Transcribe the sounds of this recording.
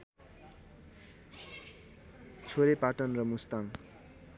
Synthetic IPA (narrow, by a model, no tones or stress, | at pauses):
t͡sʰoɾepaʈʌnrʌmust̪aŋ